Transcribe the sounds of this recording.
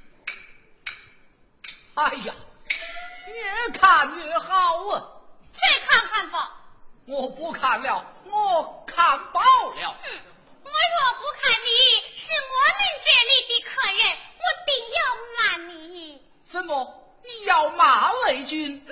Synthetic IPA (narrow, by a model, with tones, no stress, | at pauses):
a˥˧˩ja˨˩ | njɛ˧˥kʰa˨˩nt͡ɕɛ˧˥xɑ˥ʊə˥˩t͡sʰwe˥˧ɪkʰa˥˧ŋkʰa˥˧˩npɑ˥˩ʊŋwɔ˨˩pu˥˧˩kʰa˨˩nljɑ˥˩ʊŋɔ˧˩˦kʰa˨˩npɑ˥˧ʊljɑ˨˩˦ʊ | wɔ˧˥ɪwɔ˨˩pu˧˥kʰa˨˩ni˧˥˩ʂɻ̩˥˩ŋwɔ˧˥li˥˧ŋʈ͡ʂɛ˥˧li˥˧p̪i˧˩kʰɤ˨˩ɻə˥˧nwɔ˧˩t̪i˨˩ŋjɑ˥˩ʊma˨˩ni˧˥i˥˩ | ʂə˥nwɔ˨˩ | pi˥˧jɑ˥˩ʊma˨˩˦we˧˥ɪt͡ɕy˥n